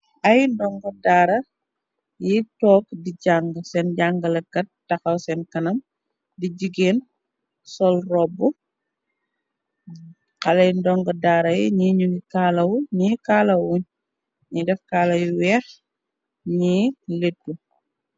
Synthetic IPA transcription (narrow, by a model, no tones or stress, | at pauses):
ʔɐjndɔŋɡɔdaːɾɐ | jitɔːk̚diɟaŋɡəsɛnɟaŋɡɐlɐɡɐt̚ːɐxɐwsɛnkɐnɐm | diɟiɡeːn | sɔlrɔbːu | qɐlɐjndɔŋɡɐdaːɾɐjiɲiɲuŋikaːlɐwɲikaːlɐwwuɲ | ɲidɛfkaːlɐjiwɛːx | ɲiletːu